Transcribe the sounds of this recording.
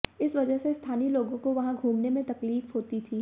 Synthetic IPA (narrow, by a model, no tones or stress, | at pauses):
ɪsʋɐd͡ʒəɦsest̪ʰaːniloːɡõkoʋɐɦãɡʱuːmnemẽt̪ɐkliːfɦoːt̪it̪ʰiː